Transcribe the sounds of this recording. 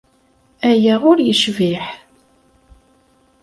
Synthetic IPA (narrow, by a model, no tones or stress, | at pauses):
æjaʊɾjəʃviħ